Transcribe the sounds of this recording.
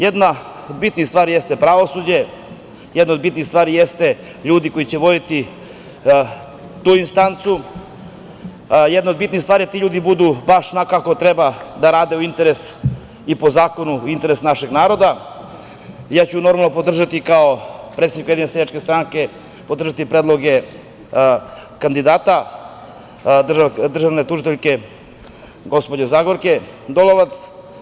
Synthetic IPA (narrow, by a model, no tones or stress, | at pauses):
jed̪naod̪bit̪nixst̪ʋaːɾijest̪epɾaʋo̞suːd͡ʑe̞ | jed̪nod̪̚bit̪nist̪ʋaːɾijest̪e̞ | ʎuːd̪iko̞jit͡ɕeʋo̞d̪it̪i | t̪uːinst̪ant̪su | jed̪naod̪bit̪nixst̪vaːɾijat̪iːʎuːd̪ibud̪ubaʃnakako̞t̪ɾebad̪aɾaːd̪e̞uint̪e̞ɾes | ipo̞zaːko̞nuint̪e̞ɾesnaʃeɡnaːɾo̞d̪a | jaːt͡ɕuno̞ɾmalˠnopo̞d̪r̩ʒat̪ikaopɾet̪enikujeinesejat͡ʃkest̪ɾaŋke̞ | pod̪ɾr̩ʒat̪ipɾeːd̪lˠo̞ɡe | kand̪id̪aːt̪a | d̪r̩ʒaʋnet̪uʒit̪eʎke̞ | ɡo̞spod͡ʑezaːɡoɾke̞ | d̪oloʋat̪s